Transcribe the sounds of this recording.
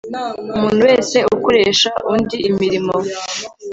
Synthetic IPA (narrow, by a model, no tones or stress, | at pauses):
umuːn̤̥huwe̞ːse̞uko̞ɾe̞ːʃaʔundiimiɾimo